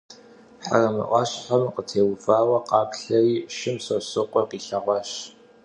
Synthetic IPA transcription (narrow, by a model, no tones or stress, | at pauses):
ħa̰rɐmɨ̰ʔʷɑɕħɐmqətʰeːwfaːwɐqɑːkɬɐriːʃɪmsɐsɨqʷʼɔqiːɬɐʁʷɐɕ